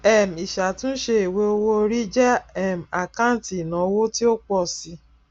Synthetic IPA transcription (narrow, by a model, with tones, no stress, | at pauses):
ɛ˨m˨i˨ʃa˨tũ˦ʃe˧e˨we˧o˧wo˧o˧ɾi˦d͡ʒɛ˦ɛ˦˨m̩˨a˨kã˦˨ti˨nã˨˦˧wo˦ti˦o˦k͡pɔ˦˨si˧˦